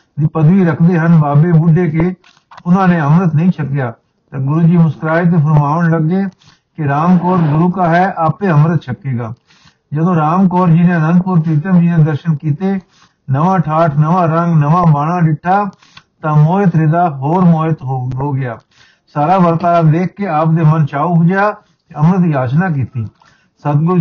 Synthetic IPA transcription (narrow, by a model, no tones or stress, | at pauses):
d̪ipəd̪ʋiːɾəkʰd̪eːɦənbaːbeːbʊɖʱeːke | ʊn̤ãːnẽːɦəmɾət̪nəɦĩːt͡ʃʰəkɪjaː | t̪ɐɡʊɾuːd͡ʒiːmʊskɾaːet̪̬epʰəɾmaːʋəɽləɡeː | keɾaːmkɔːɾɡʊɾuːkaːɦɛːʔaːpeːɦəmɾət̪t͡ʃʰəkeːɡaː | d͡ʒəd̪õːɾaːmkɔːɾd͡ʒinãːnənpʊɾt̪iːt̪əmd͡ʒiːnẽːd̪əɾʃənkiːt̪eː | nəʋãːʈʰaːʈʰnəʋãːɾəŋɡnəʋãːbaːɳãːɖɪʈʰːaː | t̪ãːmoːjət̪ɾɪd̪aːɦoːɾmoːət̪ɦɦoːɡɪjaː | saːɾaːʋəɾt̪aːd̪eːk̚ʰːeaːpd̪eːmənt͡ʃaːubʊd͡ʒjaː | keəmɾət̪ɦiːaːt͡ʃnaːk̬iːt̪iː | sət̪ɡʊl